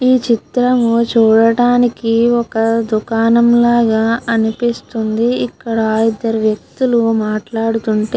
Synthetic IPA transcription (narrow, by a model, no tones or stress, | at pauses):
iːt͡ʃit̪ɾɐmut͡ʃuːɽɐɽaːnikiɔkɐd̪ukaːnɐmlaːɡaːɐnipist̪und̪iikːɐɽɐid̪ːɐɾuʋjɐk̚t̪ulumaːʈlaːɽut̪uɳʈeː